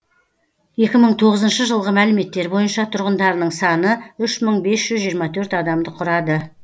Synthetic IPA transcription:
je̞kʲɪməɴt̪ʰo̞ʁəzənʃəʒəlˠʁəmælɪme̞t̪ːe̞ɾbo̞jənʃɑt̪ʰʊɾʁənd̪ɑɾənəɴsɑnəʏʃməɴbe̞sʒ̥ʏzʒijəɾmɑt̪ʰɵɾt̪ɑd̪ɑmd̪əqʰʊɾɑd̪ə

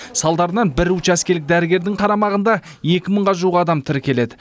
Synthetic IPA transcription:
sɑlˠd̪ɑɾənɑnbɪɾut͡ʃæskʲe̞lɪk̚d̪æɾɪɡʲe̞ɾd̪ɪŋqʰɑɾɑmɑʁənd̪ɑ | je̞kʲɪməɴʁɑʒuʁɑd̪ɑmt̪ʰɪɾkʲʰe̞le̞d̪ɪ

